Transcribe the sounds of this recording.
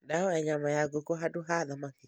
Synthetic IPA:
daɔɛɲamajaɡokoɦaduɦaðamaki

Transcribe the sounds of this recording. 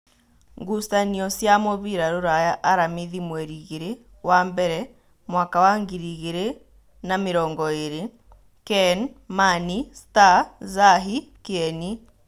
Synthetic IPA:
ŋɡustaniɔsjamoβiɾaɾoɾajaʔːɾamiðimwɛɾiɣeɾe | wambɛɾɛ | mwaːkawaŋɡiɾiɣeɾe | nameɾɔːŋɡɔeɾe | kɛnmanistazaɦikeɛni

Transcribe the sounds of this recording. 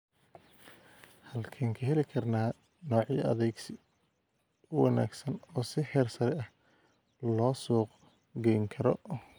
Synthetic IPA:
hɐlkʰɛːŋkʰɐɦɛlɪkʰɐrnaː | nɔːʕiɐ̰ðɛɡsɪ | ʊwɑna̰ːɡsɐnɔːsɪhɛːrsɐɾɛɐh | lɔːsuːq | ɡɛjŋkʰɐɾɔ

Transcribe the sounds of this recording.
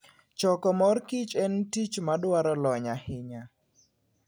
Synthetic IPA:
t͡ʃɔkɔmɔrkit͡ʃɛntit͡ʃmadwaɾɔlɔɲahɪɲa

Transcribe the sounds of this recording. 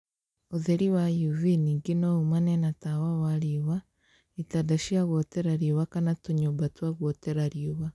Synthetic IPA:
ozeɾiwajuviniɡinoumanenatawawaɾiβa | itadaʃiaβoteɾaɾioβakanatoɲobatwaɡwoteɾaɾijuβa

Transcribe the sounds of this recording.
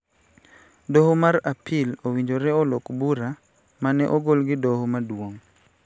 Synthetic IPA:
dohomaɾapʰɪlowiɲd͡ʒoɾɛɔlokbuɾa | manɛʔoɡolɡɪdohomadwoŋ

